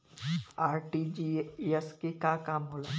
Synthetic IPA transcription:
aːɾʈid͡ʒiɛskekakaːmɦoːlaː

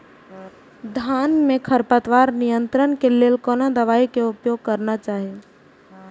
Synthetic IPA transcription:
d̪ʱanmekʰəɾpət̪ʋaɾnijənt̪ɾənkelelkonad̪əʋaikeupjoɡ̚kəɾnat͡ʃaɦi

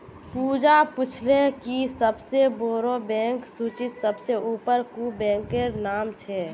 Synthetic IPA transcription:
puːd͡ʒapʊt͡ʃʰlẽkisəbseboːɾobɛ̃ːŋksuːt͡ʃɪt̪səbseuːpəɾkubɛ̃ːŋkeɾnaːmt͡ʃʰɛ

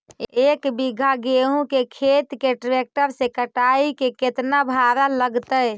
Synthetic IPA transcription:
ekbiɡʱaɡeɦũkekʰet̪keʈɾek̚ʈəɾsẽkəʈaikeket̪nabʱaɾaləɡt̪əj

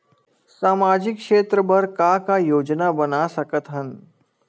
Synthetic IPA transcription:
samad͡ʑikʂet̪ɾəbəɾkakajod͡ʒnabənasəkət̪ɦən

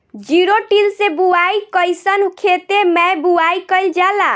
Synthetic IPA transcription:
d͡ʒiɾoʈilsebuajkəjsənukʰet̪emɛjbuajkəjld͡ʒala

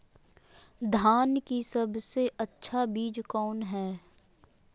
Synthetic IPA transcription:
d̪ʱaːnkisɐbseʔɐtːʃʰabiːd͡ʒkɔːnɦɛː

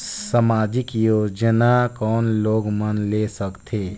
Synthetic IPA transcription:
səmaːd͡ʒɪkjoːd͡ʒənakɔːnloːɡmənleːsəkt̪ʰeː

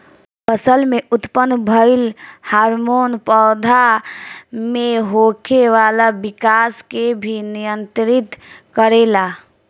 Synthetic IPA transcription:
pəsəlmẽʊt̪pənbʱəɪlhaːɾmoːnpɔːd̪ʱa | mẽɦoːkʰeʋaːlabɪkaːskebʱinɪjə̃nt̪ɾɪt̪kəɾeːlaː

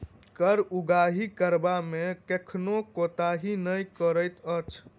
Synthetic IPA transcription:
kəɾuɡaɦikəɾbamekekʰnokot̪aɦinəjkəɾəjt̪ət͡ʃʰ

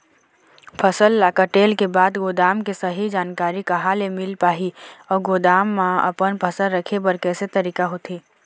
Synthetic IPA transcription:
pʰəsəlːaːkəʈeːlkebaːd̪ɡoːd̪aːmkesɐɦid͡ʒaːnkaːɾikɐɦalemɪlpaːɦiɔːɾɡoːd̪aːmːãɐ̰pənpʰəsəlɾəkʰebɐɾkɛːset̪ɐɾiːkaɦoːt̪ʰiː

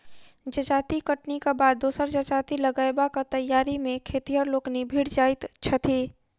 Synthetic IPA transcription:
d͡ʒɐt͡ʃaːt̪ikəʈnikabaːd̪̚ːuːsəɾd͡ʒɐt͡ʃaːt̪ilɐɡaːebakat̪ɐjːaːɾimẽkʰeːt̪ijəɾloːknibʱiːɽd͡ʒaːɪt̪t͡ʃʰɐt̪ʰiː

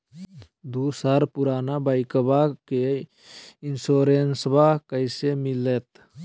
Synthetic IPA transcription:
d̪uːsəɾpʊɾaːnabaɪkəbake | ɪnsoːɾeːnsbakəɪsemɪleːt̪

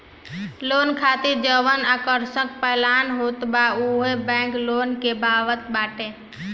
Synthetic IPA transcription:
loːnkʰaːt̪iɾd͡ʒəʋənakəɾsəkpəlaːnɦoːt̪bauɦebɛ̃ːŋkloːnkebaːʋət̪baːʈẽ

